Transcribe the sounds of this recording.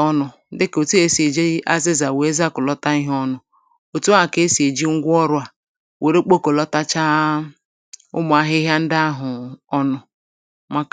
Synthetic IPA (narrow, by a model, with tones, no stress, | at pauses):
ɔ˦nʊ˨˦dɪ˦ko˨tu˦e˦se˨d͡ʒe˦ʔa˦zɪ˦za˨we˨e˦za˦kʊ˨lɔ˦ta˦ɪ˦ɦɔ˦nʊ˨ | o˨tu˦a˨ke˦si˨e˨d͡ʒi˦ŋ̩˦ɡʷʊ˦ɔ˦ɾʊ˨˦a˨ | wʔe˨ɾe˦k͡po˦ko˨lɔ˦ta˦t͡ʃa˦ | ʊ̰˦mʊ˨a˨ɦɪ˦ɦja˦n̩˦da˦ɦʊ˨ɔ˦nʊ˨ | ma˦k